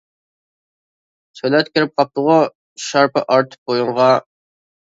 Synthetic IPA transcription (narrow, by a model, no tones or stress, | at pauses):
sʰølɛt̪kʲʰɪɾɪp̚qʰɑp̚t̪ʊʁʊ | ʃɑɾpɨʔɑɾt̪ʰp̚bojʊɴʁɑ